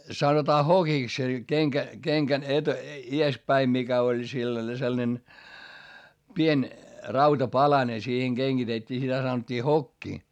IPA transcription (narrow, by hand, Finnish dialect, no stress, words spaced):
sɑnotɑː hokiks se keŋkæ keŋkæn et ies pæi mikæ olʲ silːɑne selnen pien rɑutɑpɑlɑne siːheŋ ɡ̊eŋɡ̊itetːiː sitæ sɑnotʲːiː hokːi